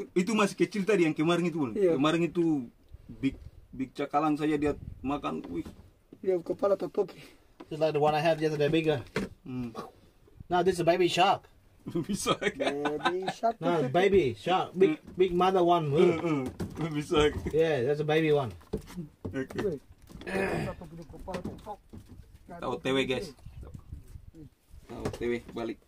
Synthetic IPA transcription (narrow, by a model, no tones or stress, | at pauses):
it̪̬umasihkɛt͡ʃilt̪adijaŋkɛmaɾɛŋit̪̬uunkɛmaɾɛŋit̪u | bik̚bik̚t͡ʃakalans̬ad͡ʒadiat̪̚makanih | diakəpalat̪at̪okʰi̥ | d͡ʒslak̚dəwanaɦɛvd͡ʒasədabɪɡə | nad̪ɛsəbajbiʃak̚ | bisakiʃ̚nbeɪbiʃɔkbɪɡbɪɡ̚maðəwãn | bisakjɛðɛts̬əbeɪbiwãn | oke | kkopaltɔtʰɔk̚ | da̰wɔt̪eweɡɛs | a̰wt̪ewewalik̚